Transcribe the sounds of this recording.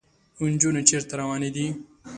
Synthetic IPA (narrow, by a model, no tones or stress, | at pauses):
und͡ʒunot͡ʃeɾt̪ɐɾɐwaːnid̪i